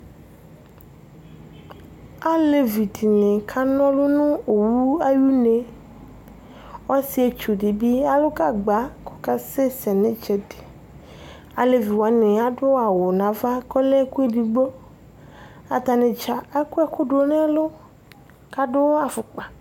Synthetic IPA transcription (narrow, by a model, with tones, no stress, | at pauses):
a˦le˨vi˨t̪ʰi˨nẽ˨kʰa˦nɔ̃˦lo˦nũ˦o˨wu˦a˦ju˦nẽ˨ | wɔ˦si˦e˦t͡ʃu˨di˨bi˦a˦lo˦ka˦ɡ͡ba˦ko̥˨ka˦se˦sɛ˨nẽ˦t͡ʃɛ˨de̥˨ | a̰˨le˨vi˨wa˨˦nẽ˨a˦ɖʊ˦a˨wo˨nã˨va˦kɔ˦le˦ku˦e˦di˨ɡ͡bo˦ | a̰˨t̪a˨nẽ˨t͡ʃa˨ɛ˦ku˦ɛ˦kʊ˦ɖo˨˦nẽ˦a˦lo˦ | ka˦ɖʊ˦a˨fʊ˨k͡pa˨